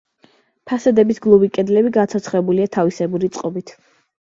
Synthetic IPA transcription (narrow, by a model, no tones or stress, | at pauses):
pʰasɛd̪ɛbisɡlˠubikʼɛd̪lɛbiɡat̪sʰɔt̪sʰχɛbuliat̪ʰavisɛbuɾit̪sʼqʼɔbit̪ʰ